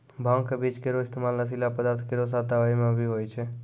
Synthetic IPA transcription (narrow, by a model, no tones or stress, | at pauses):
bʱãŋkebit͡ʃkeɾoɪst̪emalnəs̬ilapəd̪aːɾt̪ʰkeɾos̬at̪aʋaimẽbʱiɦojt͡ʃʰe